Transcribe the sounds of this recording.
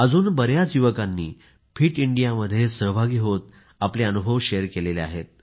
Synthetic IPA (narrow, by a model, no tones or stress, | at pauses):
əd͡zuːnbəɾjat͡sjuʋəkanːḭː | pʰiːʈiɳɖijaməd̪ʱːjesəɦbʱaɡiːɦot̪ | apleənubʱəʋɕejəɾkelelea̰ɦet̪̚